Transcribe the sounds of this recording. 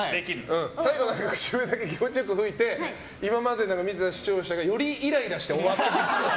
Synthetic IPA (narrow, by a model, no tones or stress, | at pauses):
d̪ekʲiɾɯɯ̟̃saiɡo̞nãŋkakɯ̟̥t͡ɕɨmed̪ake̞k̬ʲimot͡ɕijokːɯ̟ɦɯ̟it̪e̞ | imamad̪enãŋkamʲit̪e̞t̪aɕi̥t͡ɕo̞ːɕaɡajo̞ɾʲiiɾaiɾaɕi̥t̪eoβat̪ːemoo